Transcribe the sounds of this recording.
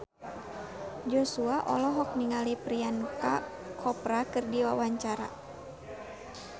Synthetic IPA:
d͡ʒɔsuaʔɔ̰lɔɦɔk̚niŋalipɾianka | kʰɔpɾakɨrdiwawaɲt͡ʃaɾa̰

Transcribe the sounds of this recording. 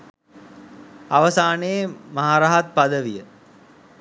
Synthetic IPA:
aʋəsaːnejemaɦaːɾaɦat̪̚pad̪əʋijə

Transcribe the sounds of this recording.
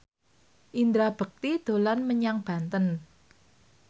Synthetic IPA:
ʔind̪ɾab̥ə̤k̚t̪id̪̥o̤lanməɲaŋb̥a̤nt̪ən

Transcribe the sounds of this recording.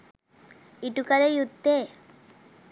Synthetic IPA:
iʈukaɾejut̪ːe

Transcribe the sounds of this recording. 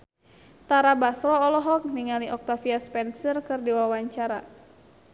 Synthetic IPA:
t̪aɾabasɾɔːlɔɦɔk̚niŋaliʔɔk̚t̪afiaspɛnsərkɨrdiwawaɲt͡ʃaɾa

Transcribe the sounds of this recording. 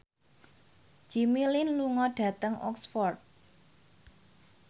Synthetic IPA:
d͡ʒ̥imilinluŋɔɖ̥ä̤t̪əŋʔɔ̰ksfɔrt̪̚

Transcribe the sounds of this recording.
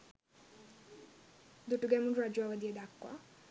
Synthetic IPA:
d̪uʈuɡɛmunɾad͡ʑuaʋad̪ied̪akːwa̰

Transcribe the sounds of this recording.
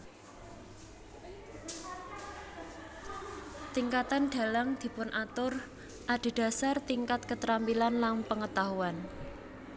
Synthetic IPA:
t̪iŋkat̪anɖ̥a̤laŋd̪̥i̤pʊnʔat̪ʊr | ʔaɖ̪̥e̤ɖ̥ä̤sart̪iŋkat̪̚kət̪ɾampilanlanpəŋət̪aɦuan

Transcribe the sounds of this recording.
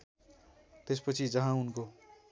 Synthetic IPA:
t̪espʌt͡sʰid͡zʌɦãunko

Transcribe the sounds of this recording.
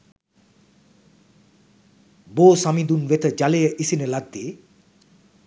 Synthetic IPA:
boːsamid̪unʋet̪əd͡ʒalejəʔisinəlad̪ːeː

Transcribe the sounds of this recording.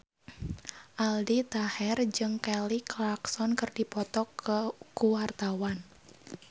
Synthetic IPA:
ʔaldit̪ahɛrd͡ʒɨŋkɛliklaksɔnkɨrdipɔt̪ɔkəkuwart̪awan

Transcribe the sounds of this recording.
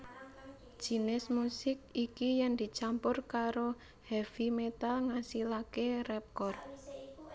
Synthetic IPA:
d̥d͡ʒ̥i̤nɪsmusɪk̚ikijɛŋd̪̥i̤t͡ʃampʊrkaɾo | hɛfimet̪aŋasilakerɛp̚kɔr̚

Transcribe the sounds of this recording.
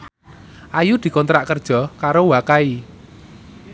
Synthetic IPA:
ʔajud̪̥i̤kɔnt̪ɾaʔkərd̥ʒ̥ɔ̤kaɾowakai

